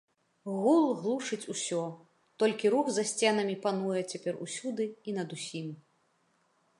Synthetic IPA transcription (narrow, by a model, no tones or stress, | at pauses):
ɣulˠɣlˠuʂɨt͡sʲusʲɔ | t̪ɔlʲkʲiɾuxzɐsʲt͡sʲɛnɐmʲipanujɛt͡sʲapʲɛrṵsʲud̪ɨinɐd̪usʲim